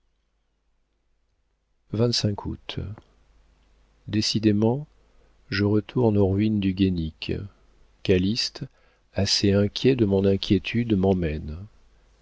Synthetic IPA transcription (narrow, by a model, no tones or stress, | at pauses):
vɛ̃t̪sɛ̃kʰṵt̪ | d̪esid̪emɑ̃ | ʒəʁət̪ʰuʁnoʁɥind̪yɡʲenik | kalist̪ | aseɛ̃kʲjɛd̪əmɔ̃nɛ̃kʲjet̪ʰyd̪mɑ̃mɛn